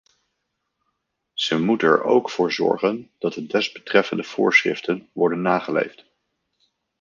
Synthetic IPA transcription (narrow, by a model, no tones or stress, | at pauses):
z̥əmutɛɹo̰wkfʊːɹzɔ̰ɹχənd̥ɑt̚dədɛzbətrɛfəndəv̥ʊːɹsrɪ̰ftənʋɔɹdənːaːχəlḛjft